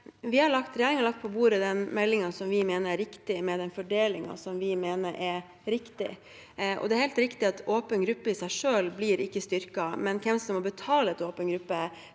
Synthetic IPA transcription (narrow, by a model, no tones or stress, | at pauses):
ʋɪhɑɭɑkt̪ɾɛjæːɾɪŋɔlɑkt̪̚pʰɔbuːɾəd̪ɛnmɛlːɪŋɑsɔmʋɪmeːnəɾæɾɪkt̪ɪmɛd̪ɛnfɔɖeːlɪŋɑ̰sɔmʋɪmeːnəɾʔɛɾ | ɾɪkt̪ɪ̰ | ʔɔ̰d̪ɛæɾhɛlt̪ɾɪkt̪ɪɑt̪oːpənɡɾʉpːəɪsæɪʂøːlblɪːɾɪkːəst̪ʏɾkɑmɛnkʰɛmsɔmːɔbət̪ʰɑːləɛt̪oːpənɡɾʉpːə